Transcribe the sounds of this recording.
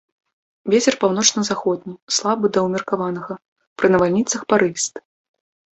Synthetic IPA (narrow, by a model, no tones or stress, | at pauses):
vʲet͡sʲɛrpawn̪ɔt͡ʂnɐzaxɔd̪̚ʲnʲislˠabɨd̪ɐwmʲɛrkavanɐɣɐ | pɾɨnɐvalʲnʲit̪sɐxpaɾɨst̪